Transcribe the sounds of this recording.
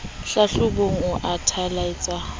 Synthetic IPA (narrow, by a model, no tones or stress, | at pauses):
ɬaɬʊboŋ̩ʊʔatʰalait͡sʼa